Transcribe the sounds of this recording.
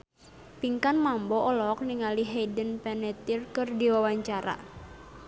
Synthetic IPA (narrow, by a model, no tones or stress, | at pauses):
piŋkanmambɔʔɔlɔk̚niŋaliɦedənpɛnɛt̪irkɨrdiwawaɲt͡ʃaɾa̰